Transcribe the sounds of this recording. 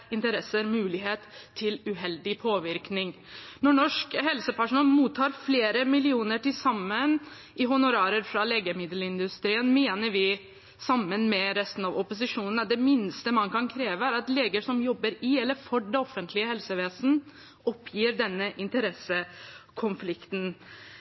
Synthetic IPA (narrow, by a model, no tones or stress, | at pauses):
ɪnt̪əɾɛsəɾmʉːlɪɦeːt̪ʰːɪlʉɦɛld̪ɪpʰoːʋɪɾknɪŋ | nɔɳɔʂkɦɛlsəpæʂʊnɑlmuːt̪ʰːɑːɾfleːɾəmɪlɪuːnəʈɪlsɑmːən | ʔɪɦʊnʊɾɑːɾəɾfɾɑleːɡəmɪd̪l̩ɪnd̪ʉst̪ɾiːənmeːnəɾʋɪ | sɑmːənmɛɾɛst̪ənɑʋɔpʊs̬ɪʂuːnən̩æɖɛmɪnst̪əmɑnkɑnkʰɾeːʋəæɾɑt̪leːɡəʂɔmjɔbːəɾɪɛlːəɾfɔɖɛɔfːənt̪ʰlɪəhɛlsəʋeːsnə | ɔpʰːjiːɾɖɛnːəʔɪnt̪əɾɛsəkʰʊnflɪkt̪n̩